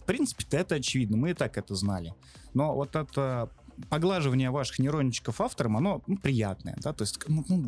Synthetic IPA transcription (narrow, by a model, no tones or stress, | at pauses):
fpɾʲint̪sɨ̥pʲɪ̥t̪əɛt̪əɐt͡ɕɪvʲid̪nəmɨɪt̪akɛt̪əznalʲɪ | no̞vo̞t̪ɛt̪əpɐɡlˠaʐɨvənʲɪjəvaʂɨ̥xnʲɪɾo̞nʲːɪt͡ɕːɪ̥kəfaft̪əɾəmɐno̞nupɾʲɪja̰t̪nə̰jə̰d̪at̪oɪsʲtʲknunu